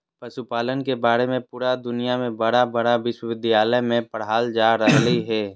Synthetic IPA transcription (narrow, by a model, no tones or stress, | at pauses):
pɐʃupaːlənkebaːɾemẽpuːɾad̪ʊnijamẽbɐɽabɐɽaʋɪʃwəʋɪd̪ʱijaːləjmẽpəɽɦaːld͡ʒaːɾəɦliɦɛː